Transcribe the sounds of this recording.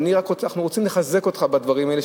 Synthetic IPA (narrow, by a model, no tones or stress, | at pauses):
niʁakʁonaχnuʁot͡simleχaze̞ko̞t̪χabad̪vaʁimaele